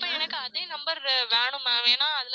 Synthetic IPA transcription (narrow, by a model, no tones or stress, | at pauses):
pːɐːɛnɐkːɯɐðeːnɐmbɐɾʋeːɳɯmeːʋeːnaːɐðɪl